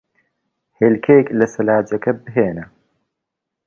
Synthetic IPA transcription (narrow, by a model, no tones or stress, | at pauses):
heːlkʰejklɐsɐlaːd͡ʒɐkɐbɨɦeːnɐ